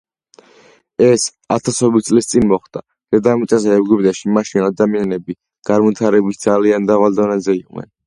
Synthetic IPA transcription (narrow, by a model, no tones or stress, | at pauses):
ɛs | a̰t̪ʰasɔbit̪̚sʼlist̪sʼinmɔχd̪̥a | ɾɛd̪amit̪sʼasɛːvɡubd̪aʃimaʃinad̪amianɛbi | ɡ̥aɾmɔt̪ʰaɾɛbisd̪zaliand̪avald̪ɔnazɛiqʼnɛ̰n